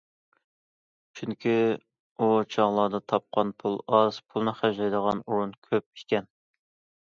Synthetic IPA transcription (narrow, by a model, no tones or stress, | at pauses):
t͡ʃʰyŋkʲʰi | ut͡ʃʰɑʁlˠɑd̪ɑt̪ʰɑp̚qʰɑnpʰulˠɑz̥pʰulˠnɨχæʒɑjd̪əʁɑnuɾunkʲʰøp̚ikʲɛn